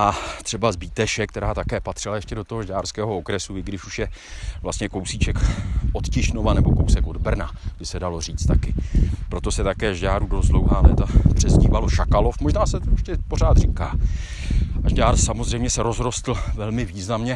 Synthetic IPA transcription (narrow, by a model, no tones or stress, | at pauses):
ʔat̪r̥ɛbazbiːt̪ɛʃɛk̚t̪ɛɾaːt̪akɛːpat̪r̝̥ɪlajɛʃcɛdo̞t̪oɦoʒɟaːrskɛːɦo̞okɾɛsuɪɡdɪʃuʃjɛ | vlast̪ɲɛko̞wsiːt͡ʃɛkʔot̪cɪʃno̞vanɛbo̞kowsɛkʔo̞dbr̩na̰bɪsɛdalo̞r̝iːt͡st̪akɪpɾo̞t̪o̞sɛt̪akɛːʒɟaːɾudost̪dlowɦaːlɛ̰t̪apr̝̥ɛzɟiːvalo̞ʃakalo̞fmo̞ʒnaːsɛt̪ojɛʃcɛporaːt̪riːka̰ː | ʔaʒɟaːɾsamozrɛjmɲɛsɛɾo̞zɾo̞st̪l̩vɛlmɪviːznamɲɛ